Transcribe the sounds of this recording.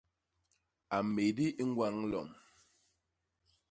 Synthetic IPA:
a˨me˨di˦ʔi˦ŋ̩˦ɡwa˦ŋlɔ̰˨ŋ

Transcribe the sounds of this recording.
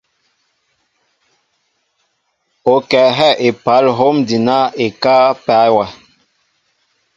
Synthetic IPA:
o˨kɛ˨ɦɛ˦˨ʔe˨pa˨˦lɦo˦mdi˨na˦e˨ka˦pa˦wa˨

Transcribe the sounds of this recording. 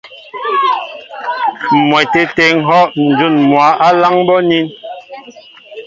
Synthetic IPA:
mwɛ˨te˨te˨˦ŋ̩˦ɦɔ˦ʔn̩˨d͡ʒu˦˨nmwa˨˦ʔa˦la˦ŋbɔ˦ni˦n

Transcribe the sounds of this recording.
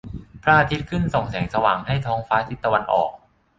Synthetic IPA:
pʰɾa˦˥ʔaː˧t̪ʰi˦˥t̪̚kʰɯ˥˩nso˨˩ŋsɛː˩˦ŋsa˧waː˨˩ŋɦa˥˩jt̪ʰɔː˦˥ŋfaː˦˥t̪ʰi˦˥t̪ːa˧wa˧nʔɔ̰ː˨˩k̚

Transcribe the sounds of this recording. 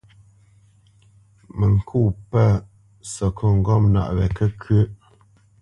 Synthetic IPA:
mə˨ŋ̩˨kʰu˦˨pə˦˨ | sɔ˨kʰɔ˦˨ŋ̩˨ɡɔ˦˨mna̰˨ʔɣɛ˨kə˦kʰʉ˦

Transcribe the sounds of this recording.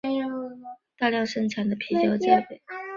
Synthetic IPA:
t̪a˥˧ljɑ˥˧ŋʂɤ˥˧ŋʈ͡ʂʰa˧˥nd̪ə˧pʰi˧˥t͡ɕjɑ˥ʊt͡ɕja˥pe˨˩ɪ

